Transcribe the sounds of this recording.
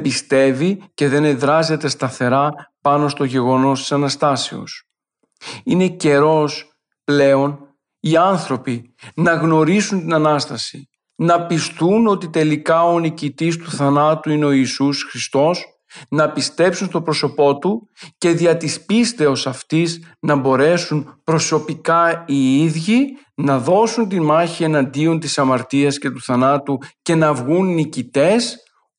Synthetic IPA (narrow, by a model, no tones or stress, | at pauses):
bist̪e̞vice̞ðe̞ne̞ðɾɐze̞t̪e̞st̪ɐθe̞ɾɐpɐno̞st̪o̞ʝe̞ɣo̞no̞st̪i̥sɐnɐst̪ɐsḛo̞̰s | ine̞ce̞ɾo̞s | ple̞o̞n | iɐnθɾo̞pi | nɐɣno̞ɾisunt̪inɐnɐst̪ɐsi | nɐpist̪uno̞t̪it̪e̞likɐoonicit̪ist̪uθɐnɐt̪uine̞o̞iːsusxɾist̪o̞s | nɐpist̪e̞psunst̪o̞pɾo̞so̞po̞t̪uce̞ðiɐt̪ispist̪e̞o̞sɐft̪iznɐbo̞ɾe̞sunpɾo̞so̞pikɐiiðʝi | nɐðo̞sunt̪imɐçie̞nɐnd̪io̞nt̪isɐmɐɾt̪iɐsce̞t̪uθɐnɐt̪uce̞nɐvɣunːicit̪e̞s